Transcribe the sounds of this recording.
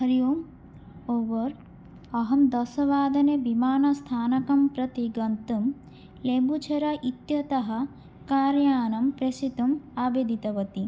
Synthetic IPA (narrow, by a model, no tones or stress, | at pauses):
ɦɐɾjuːm | oʋɐɾ | ɐɦɐmd̪ɐsɐʋaːd̪ɐnebimaːnɐst̪ʰaːnɐkɐmpɾɐt̪iɡɐnt̪um | lembut͡ʃʰɐɾɐʔit̪jɐt̪ɐɦɐ | kaːɾjaːnɐmpɾesit̪umaːbeːd̪ʱit̪ɐʋɐt̪i